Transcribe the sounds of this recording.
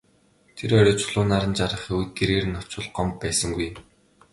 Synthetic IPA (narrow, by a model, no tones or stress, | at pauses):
t̪ʰeɾɔɾʲɔːt͡sʊ̥ɮʊːnaɾə̆nt͡ɕaɾə̆χewt̪̚ɡeɾeːrɘ̆nːɔ̥t͡ɕʊ̆ɮɢɔmpːæːsə̆ŋɡuj